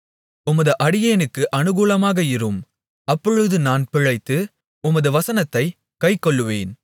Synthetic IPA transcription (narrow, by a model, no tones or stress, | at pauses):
ʊmɐðɯʔɐɽɪjeːnɯkːɯʔɐnɯɣuːlɐmaːɣɐɪɾɯm | ɐpːɔɻɯðɯnaːnpɪɻɐɪt̪ːɯ | ʊmɐðɯʋɐsɐnɐt̪ːɐɪ | kɐɪkːɔɭːɯʋeːn